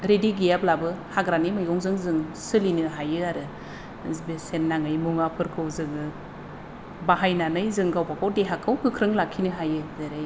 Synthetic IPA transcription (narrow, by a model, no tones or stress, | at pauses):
ɾediɡijap̚labɯhaɡɾanimɯjɔŋzɯŋzɯŋsɯlinɯɦajɯaɾɯ | besenːaŋɯjmuŋapʰɯɾkʰɯwzɯŋɯ | baɦajnanɯjzɯŋɡawbakʰawdeɦakʰɯwkʰɯkʰɾɯŋlakʰinɯɦajɯzeɾaj